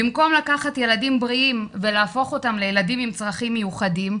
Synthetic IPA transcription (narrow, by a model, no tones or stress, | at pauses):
bimko̞mlakaχatje̞ladimbʁiimve̞laːfo̞χo̞tamle̞jeladimimt͡sʁaχimːejuχadim